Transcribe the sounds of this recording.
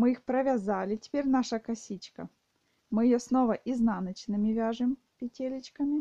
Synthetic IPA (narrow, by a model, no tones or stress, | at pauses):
mɨixpɾəvʲazalʲɪtʲɪ̥pʲeɾʲn̪aʂəkɐsʲit͡ɕkɐ̰ | mɨjɪjosnovɐʔiznanɐt͡ɕnɨmʲɪvʲaʐɨm | pʲɪtʲelʲɪt͡ɕkəmʲɪ